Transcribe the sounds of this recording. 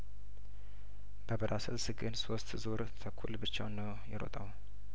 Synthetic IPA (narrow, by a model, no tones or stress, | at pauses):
b̥əbəɾasəlsɨɡɨnsost̪zoɾt̪ʰəkʰːṵlbɨt͡ʃːawnːəw | jɛɾo̰t̪ʼaw